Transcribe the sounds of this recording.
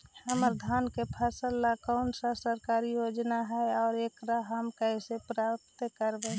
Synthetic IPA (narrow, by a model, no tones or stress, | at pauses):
həməɾd̪ʱankepʰəsəlːakɔʊnsasəɾkaɾijod͡ʒnaɦɛɔːɾekɾaɦəmkəɪsepɾap̚t̪kəɾbẽ